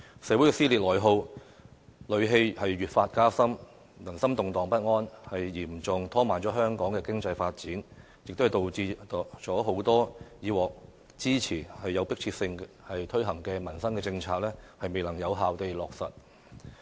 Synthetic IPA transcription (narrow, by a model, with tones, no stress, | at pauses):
sɛː˨˧wu˨˥jkɛ˧siː˥liː˨t̚lɔː˨˩jɦo˧w | lɵ˨˧ɥɦe˧jhɐ˨jːyː˨t̚faː˧t̚kaː˥sɐ˥m | lɐ˨˩nsɐ˥mt̪ʊ˨ŋt̪ɔː˨ŋpɐ˥t̚ŋɔː˥nhɐ˨jjiː˨˩mt͡sʊ˨ŋt̪ʰɔː˥maː˨nt͡ʃɔː˨˥ɦœː˥ŋkɔː˨˥ŋkɛː˧kɪ˥ŋt͡sɐ˧jfaː˧t̚t͡siː˨˥n | jɪ˨k̚t̪o˥hɐ˨jt̪o˨wt͡siː˧˨˩t͡ʃɔː˨˥ɦo˨˥wt̪ɔː˥jiː˨˧wɔː˨k̚ | t͡siː˥t͡sʰiː˨˩hɐ˨jːɐ˨˧wpɪ˥k̚t͡sʰiː˧t̚sɪ˧ŋ | hɐ˨jt̪ʰɵ˥ɥɦɐ˨˩ŋkɛː˧mɐ˨˩nsɐ˥ŋkɛː˧t͡sɪ˧ŋt͡sʰaː˧k̚lɛː˥hɐ˨jme˨jlɐ˨˩ŋjɐ˨˧wɦaː˨wt̪e˨jlɔː˨k̚sɐ̰˨t̚